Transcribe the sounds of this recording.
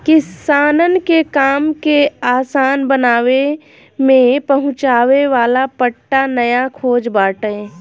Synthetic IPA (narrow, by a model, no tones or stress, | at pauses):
kɪsaːnənkekaːmkeaːsaːnbənaːʋe | mẽpəɦʊ̃t͡ʃaːʋeʋaːlapəʈːanəjakʰoːd͡ʒbaːʈə̃